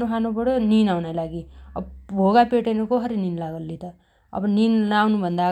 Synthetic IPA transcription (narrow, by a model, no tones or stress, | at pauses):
okʰanobʌɽoninawnajlaɡiʌbʱoɡapeʈejnʌkʌɦʌɾininlaɡʌlːit̪ʌ | ʌ̰bʌninawnubʱʌnd̪a